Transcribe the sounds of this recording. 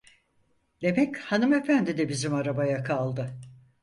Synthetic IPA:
d̪̥e̞mɛchanɯme̞fænd̪id̪ɛbizimaɾabajakʰalˠd̪ɯ

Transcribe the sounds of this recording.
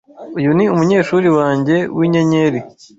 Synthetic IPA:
ujuniumuɲe̞ːʃuːɾiwaːɲɟe̞wʔiɲeɲe̞ɾi

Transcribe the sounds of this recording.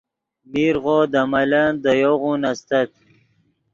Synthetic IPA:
miɾʁod̪amaland̪əjoɣunast̪at̪̚

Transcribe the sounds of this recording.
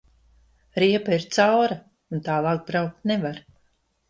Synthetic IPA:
ɾiɛpaiɾt̪sawɾa | unt̪aːlˠaːk̚bɾawk̚t̪nɛvaɾ

